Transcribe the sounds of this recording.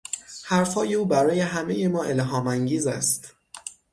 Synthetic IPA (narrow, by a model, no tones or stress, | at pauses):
hæɾfhɒːje̞uːbæɾɒːje̞ɦæme̞jemɒːʔe̞lɦɒːmæŋɟiːzæst̪